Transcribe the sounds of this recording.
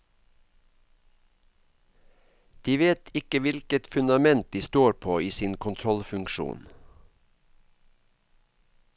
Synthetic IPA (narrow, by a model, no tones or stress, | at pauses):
d̪̥iːʋeːt̪ʰɪkəʋɪlkət̪fʉnd̪ɑmɛnt̪̚d̪iːst̪oːɾpʰoːiːsiːnkʰʊnt̪ʰɾɔlfʉŋkʃṵːn